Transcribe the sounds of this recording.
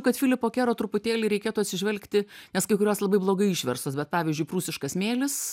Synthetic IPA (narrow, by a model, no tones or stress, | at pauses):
kɐt̪fʲɪlʲɪpoːkʲæːɾoːt̪ɾʊpʊt̪ʲeːlʲɛɪɾʲɛɪkʲeːt̪uːɐt̪ʲsʲɪʒʲʋʲɛlʲkt̪ʲɪnʲɛskɐɪkʊɾʲoːslˠɐbɐɪblˠoːɡɐɪiʃʲʋʲɛ̰ɾsoːsbʲɛt̪̚pɑːʋʲizʲd͡ʒʲʊɪpɾuːsʲɪʃkɐsmʲeːlʲɪs